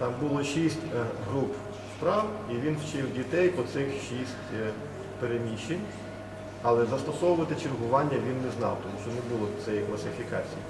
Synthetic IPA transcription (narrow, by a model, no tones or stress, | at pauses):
t̪ɑmbʊlˠɔʃisʲtʲɦɾup | spɾɑwiʋʲinwt͡ʃɪwdʲit̪ɛjpɔt̪sɪxʃisʲtʲ | peɾemʲiʃːenʲ | ɐlˠɛzɐst̪ɔsɔʋʊʋɐt̪ɪt͡ʃirɦʊʋɑnʲːɐʋʲinːɛznɑ̰wt̪ɔmuʃt͡ʃɔnɛbulˠɔt̪sɛjiklˠɐsɪfʲikɑt͡sʲiji